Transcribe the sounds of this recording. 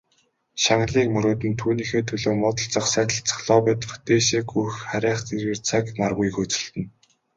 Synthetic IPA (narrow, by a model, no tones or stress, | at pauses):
ʃaŋ̆ɮiːkmɵɾoːt̪ɘ̆nt̪ʰuːniːxeːt̪ʰɵɮoːmɔt̪ɞ̆ɬt͡sə̆χsæːt̪ə̆ɬt͡sʰḁχɮɔːpæt̪ə̥̆χt̪eːʃeːkujxχæɾʲæːχt͡serɣĕrt͡sʰaknarɣujxɵt͡sɵ̆ɬt̪ɘ̆n